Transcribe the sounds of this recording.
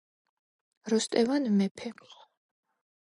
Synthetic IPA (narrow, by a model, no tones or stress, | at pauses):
ɾɔst̪ʼɛvanmɛpʰɛ